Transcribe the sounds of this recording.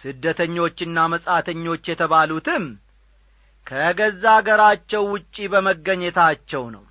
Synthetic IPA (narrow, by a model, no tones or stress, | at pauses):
sɨd̪ːət̪ʰəɲːo̞t͡ʃːɨnːaməsʼat̪ʰəɲːo̞t͡ʃːjɛt̪ʰəβalut̪ɨm | kʰəɡəzːaɡəɾat͡ʃːɛwːʊt͡ʃʼːibəməɡːəɲːɛt̪ʰat͡ʃːɛwnə̰w